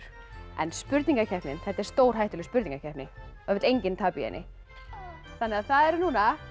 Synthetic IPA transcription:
ɛ̰nspʏɾt̪niŋkacʰɛhpnɪnθɛht̪aɛɾ̥st̪oːwɾ̥ɦajht̪ʏlspʏɾt̪niŋkacʰɛhpnɪɔœvɪt̪ejɲcɪnt̪ʰaːpiɛ̰jnʔɪ̰ | θanːɛaðθaðɛɾnuːna

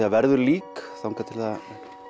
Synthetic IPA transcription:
avɛɾðʏɾliːkθahŋkʰat̪ʰɪlθa

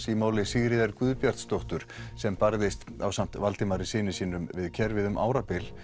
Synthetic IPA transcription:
simaːwlɪsiɣɾɪðaɾkvʏðpjaɾ̥t̪st̪owht̪ʏɾ̥sɛmpaɾðejst̪awsam̥t̪valt̪ɪmaɾɪsɪːnɪsiːnʏmvɪðcʰɛɾvɪðʏmʔa̰ːwɾapɪl

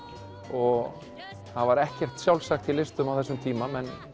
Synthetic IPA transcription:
ɔɣ | θaðvaɾɛhcɛr̥t̪sjawlsaxt̪ʰɪlːɪst̪ʏmawθɛsːʏmt̪ʰiːmamɛn

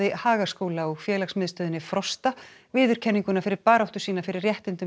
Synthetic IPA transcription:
ɪhaːɣḁskoːwlaɔɣfjɛːlaxsmɪðst̪œːðɪnːɪfɾɔst̪avɪːðʏɾ̥cʰɛnːiŋkʏnafɪɾɪɾpaːɾawt̪ʏ̥siːnafɪɾɪɾrjɛht̪ɪnt̪ʏ

